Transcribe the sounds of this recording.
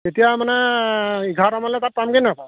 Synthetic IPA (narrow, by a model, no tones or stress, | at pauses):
etijamanɛiɡʱatamalɛtat̚pamkinapa